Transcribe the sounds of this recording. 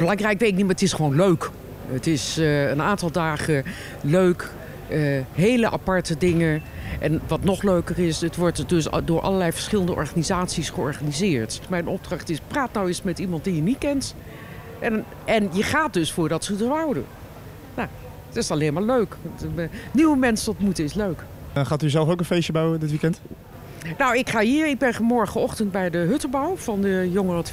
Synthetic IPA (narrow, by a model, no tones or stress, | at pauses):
b̥əlɑŋrɛjkʋeːtɪk̚nitmaːɹətɪsχəʋoːnløɥk | ətɪsənaːntɑlˠdaːχə | løɥk | əɦeːləʔa̰pɑɹtədɪŋəʔɛnʋɑtnɔχløɥkərɪsətʋɔɹtdøsdʊːɹʔɑ̰ləlɛjfəɹsχɪləndəʔɔ̰ɹχanizaːtsisχəɔɹχanizɪːɹtmɛjnʔɔb̚drɑχtɪspraːtnawɪsmɛtimɑntdijənitkɛnt | ʔɛn | ʔɛnjəχaːt̚dɵsfʊːɹdɑtsədəʋawdə̰ | na | tɪsɑleːnmaːɹløɥk | niwəmɛnsəɔtmutəɪsløɥk | χaːtyzɛlˠfowkənfejʃəbawədɪtʋikɛnt | nowɪkχaːɦiːɹɪɡ̚bɛnfmɔɹχənɔχtəntbɛjdəɦɵtəlbawvɑndəjoŋərɔt